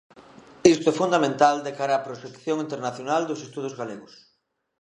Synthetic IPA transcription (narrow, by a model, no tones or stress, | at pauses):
ist̪oɛfund̪amẽnt̪ald̪ekaɾaːpɾoʃekθjoŋint̪eɾnaθjonald̪ʊsest̪uðʊzɣaleɣʊs